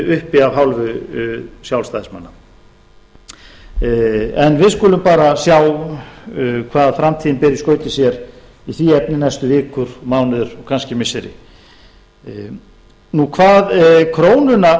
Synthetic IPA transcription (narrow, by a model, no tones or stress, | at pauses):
ʏhpɪavɦawlvʏ | sjawlst̪aːðɪsmanːa | ɛnvɪðskʏːlʏmpaːɾasjaw | kʰvaːðfɾamt̪ʰiːðɪnpɛːɾiskœːɥt̪ɪsjɛɾ | iθviɛpnɪnajst̪ʏvɪːkʏɾ̥maːwnʏðʏɾɔɣkʰanscɪmɪsːɪɾɪ̰ | nukʰvaːðkʰɾoːwnʏna